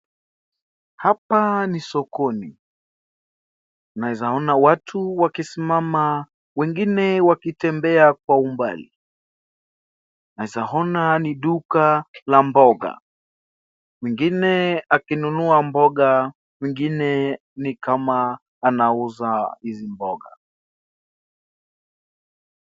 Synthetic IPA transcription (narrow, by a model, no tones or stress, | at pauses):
hapanisɔkɔni | naizaɔnawatʰuwakisimama | wɛŋɡinɛwakitɛmbɛak̚waumba̰li | naizaɦɔnaniɗukalambɔɠa̰ | miŋɡinɛakinunuambɔɠa | miŋɡinɛ | nikamaː | nauzahizimbɔɠa̰